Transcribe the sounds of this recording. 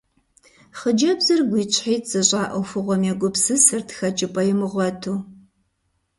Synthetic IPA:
χəd͡ʒɐbzɨrɡʷiːt͡ʃʰʼħiːt͡sʼɨɕʼaːʔɐwfɨʁʷɔmɛɡʷʊpsɨsɨrtʰxɐt͡ʃʼɪpʼɐjɪmɨʁʷɔtʰuː

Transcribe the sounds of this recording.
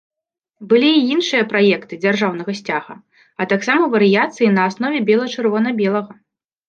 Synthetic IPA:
bɨlʲiːinʂɨjɐpɾajɛkt̪ɨd͡zʲarʐawnɐɣɐsʲt͡sʲaɣɐ̰ | ɐt̪aksamɐvɐɾɨjat̪sɨjinɐːsnɔvʲɛbʲɛlˠɐt͡ʂɨrvɔnɐbʲɛlˠɐɣɐ

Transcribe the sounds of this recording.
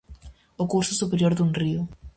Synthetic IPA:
ʊkuɾsʊsupeɾjoɾðunriʊ

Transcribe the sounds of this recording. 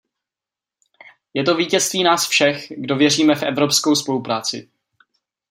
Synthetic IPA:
jɛt̪o̞viːcɛst̪viːnaːsfʃɛxɡdo̞vjɛriːmɛfʔɛvɾo̞psko̞wspo̞lupɾaːt͡sɪ̰

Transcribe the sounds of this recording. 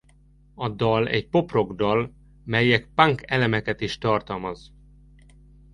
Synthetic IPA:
ɒd̪ɒlɛ̰cpo̞pro̞ɡd̪ɒl | mɛjɛk̚paŋkɛlɛmɛkɛt̪iʃt̪ɒrt̪ɒlmɒz

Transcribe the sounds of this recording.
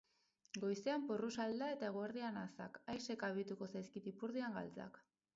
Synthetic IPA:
ɡo̞jse̞amporusald̪ae̞t̪ae̞ɣ̞oeɾðianasa̰kajse̞kaβ̞it̪uko̞sajskit̪ipuɾðiaŋɡa̰lt͡sa̰k

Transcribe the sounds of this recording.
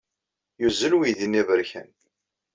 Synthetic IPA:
juzːəlwiðinivəɾçə̰n

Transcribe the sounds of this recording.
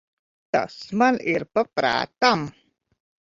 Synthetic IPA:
t̪ə̰smaliɾpəpɾa̰t̪am

